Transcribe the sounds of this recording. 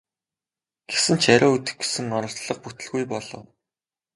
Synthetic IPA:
ɡ̥esɘ̆nt͡ɕʰaɾʲʊːɵt̪ɘ̆xɡe̥sɘ̆ŋɔɾɞ̆ɬt͡sɮə̆q̚put̪ɘ̆ɮɣujpɔɮɞ̆w

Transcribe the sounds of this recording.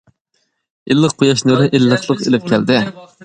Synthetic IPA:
ilːəq̚ʰːojɑʃnɨɾɨʔelːəχlˠəqelɪp̚kʲʰæld̪ɪ

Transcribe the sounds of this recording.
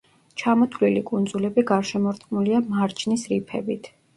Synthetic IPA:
t͡ʃʰamɔt̪ʰvlilikʼund̪zulɛbiɡaɾʃɛmɔɾt̪ʼqʼmuliamaɾt͡ʃʰnisɾipʰɛbit̪ʰ

